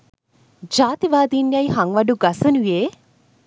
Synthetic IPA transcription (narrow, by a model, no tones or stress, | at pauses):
d͡ʒaːt̪iʋaːd̪injɐjɦɐŋʋɐɖuɡɐsɐnujeː